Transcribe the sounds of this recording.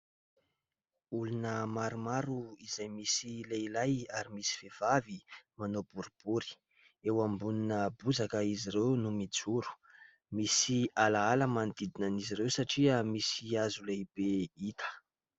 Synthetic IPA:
ulunəmaɾumaɾuizajmisileilajaɾimisi̥v̥ev̥avimanob̥uɾib̥uɾi̥ | ewambuninəbuzakəiziɾewnumid͡zuɾu̥ | misialaaləmand̪id̪inaniziɾewsaʈ͡ʂiəmisiazulejb̥eit̪ʰə̥

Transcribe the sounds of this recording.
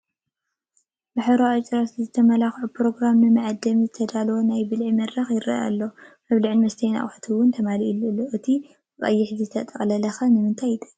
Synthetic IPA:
baħɾoat͡ʃʼɾaszɨt̪ʰɐmɐlaxʕupɾo̞ɡɾamnɨmɨʕad̪ɐmizɨt̪ʰɐd̪alwonajbɨlʕimɐd̪ɾɐxjɪɾɐ̰a̰lːomɐβliʕɨnmɐst̪ʰɐjna̰ʔʼħt̪ʰuwʊnt̪ʰɐmaliilːɨlːoʔɨt̪ʰi | bɨkʼɐ̰jːɪħzɨzɨt̪ʰɐt̪ʼɐkʼlɐlɐxɐnɨmɨnt̪ʰajɪt̪ʰʼɐ̥

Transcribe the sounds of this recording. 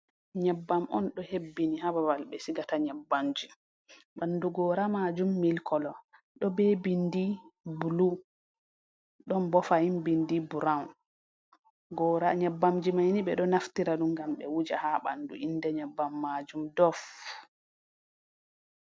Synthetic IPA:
ɲɛbːamʔɔ̰nɗɔhebːinihabawalɓɛsiɡataɲɛbːamd͡ʒi | ɓanduɡɔɾamad͡ʒumːilkɔlɔ | ɗɔbebindibulu | ɗɔnbɔfahimbindibuɾawn | ɡɔɾaɲɛbːamd͡ʒimajniɓɛɗɔnaftiɾaɗumɡamɓɛ̰wud͡ʒa̰haɓa̰ndṵʔindɛɲɛbːamːad͡ʒumdɔf

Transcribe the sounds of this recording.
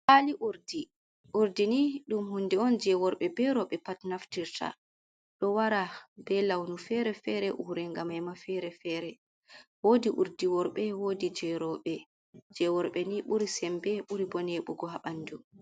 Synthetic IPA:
ʔaliʔuɾdi | ʔuɾdiniɗumhundɛɔnd͡ʒɛwɔɾɓɛbɛɾɔɓɛpatnaftiɾtʰa̰ | ɗɔwaɾabɛlawnufɛɾɛfɛɾɛʔuɾɛŋɡamajmafɛɾɛfɛɾɛ | woːdiʔuɾdiwɔɾɓɛwodid͡ʒɛɾɔɓɛ | d͡ʒɛwɔɾɓɛniɓuɾisɛmbɛɓuɾibɔneɓuɡɔɦaɓandu

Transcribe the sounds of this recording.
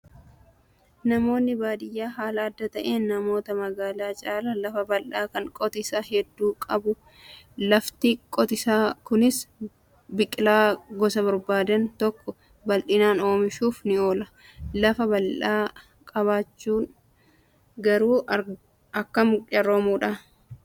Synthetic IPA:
nɐmo̞ːnːɪbaːd̪ɪjːaːɦaːlɐɐd̪ːɐt̪ɐʔeːnːɐmo̞ːt̪ɐmɐɡaːlaːt͡ʃʼaːlɐlɐfɐbɐlʔaːkɐŋkʼɔt̪ɪsaːɦɛd̪ːuːkʼɐbʊ | lɐft̪ikʼɔt̪ɪsaːkʊnɪs | bɪkʼːɪlaːɡɔsɐbɐɾbaːd̪ɐnt̪ɔkːɔ | bɐlʔɪnaːno̞ːmɪʃuːfnɪo̞ːlɐ | lɐfɐbɐlᶑaː | kʼɐβaːt͡ʃːuːn | ɡɐɾuː | ɐkːɐmʊɐɾoːmuːᶑa

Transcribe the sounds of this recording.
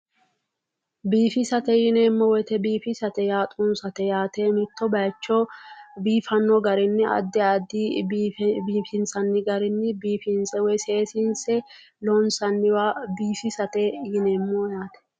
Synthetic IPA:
biːfɪsɐt̪ɛjɪneːmːɔwɔt̪ɛbiːfɪsɐt̪ɛjaːt̪ʼʊnsɐt̪ɛjaːt̪emɪt̪ːɔbɐjt͡ʃːɔbiːfɐnːɔɡɐɾɪnːɪʔɐ̰d̪ːɛɐd̪ːi | biːfɪnsɐnːɪɡɐɾɪnːɪbiːfɪnsɛwɛjseːsɪnsɛ | lɔnsɐnːɪwabiːfɪsɐt̪ɛjɪneːmːojaːt̪ɛ̥

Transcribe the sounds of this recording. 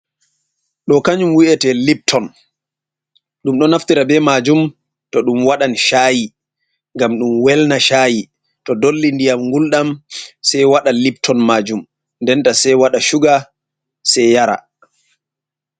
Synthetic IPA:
ɗɔkaɲumwiʔɛtɛlip̚tʰɔn | ɗumɗɔnaftiɾabɛmad͡ʒum | tɔɗumwaɗanʃaːji | ŋɡamɗumwɛlnaʃaji | tɔdolːindijamŋɡulɗamsɛjwaɗalip̚tʰɔnmad͡ʒum | ndɛntasɛjwaɗaʃuɡa | sɛjaɾa̰

